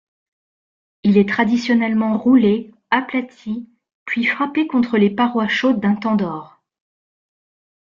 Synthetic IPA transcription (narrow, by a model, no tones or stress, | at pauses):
ilɛt̪χad̪isjɔnɛlmɑ̃ʁule | aplat̪ʰi | pɥifχapekɔ̃t̪χəlepaʁwaʃod̪ːɛ̃t̪ɑ̃d̪ɔːʁ